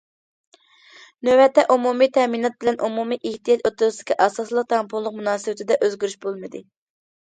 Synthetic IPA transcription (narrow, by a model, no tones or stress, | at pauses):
nøwɛt̪ʰːɛʔumumit̪ʰɛminɑt̪̚bɪlɛnʔumumiʔihd̪ijɑt̪ot̪uɾsd̪ɪ̥kʲʰiʔɑsɑslˠəq̚t̪ʰɑmpʰulˠːəqmunɑːsɨwɪt̪ʰɪd̪ɛʔøzɡʲyɾyʃbolˠmɨd̪ɨ